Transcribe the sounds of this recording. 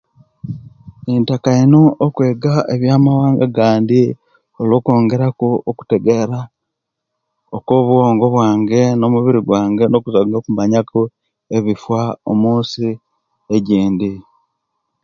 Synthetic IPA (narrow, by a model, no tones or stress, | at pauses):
entakainoʔːkwe̞ːɡaeβjaːmawaːŋɡaɡaːndi | oloːko̞ːŋɡe̞ɾakuoku̥teɡeɾa | okoβuo̞ːŋɡo̞βwaːŋɡe̞no̞muβiɾiɡwaːŋɡe̞no̞kuzaɡokumaɲakʰo | e̞βifwao̰muːnsi | eɟiːndi